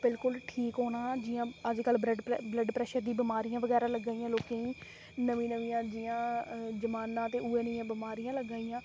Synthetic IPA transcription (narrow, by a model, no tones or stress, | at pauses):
bɪlkʊlʈʰiːkɦoːnaːd͡ʒɪjãːəd͡ʒkəlbɾəɖbləɖpɾɛːʃəɾd̪iːbɪmaːɾijãːʋəɡɛːɾaːləɡaːijãːloːkeĩː | nəʋĩːnəʋĩːãːd͡ʒɪjãːd͡ʒəmaːnãːt̪eːueːnəɪãːbɪmaːɾijãːləɡaːiːãː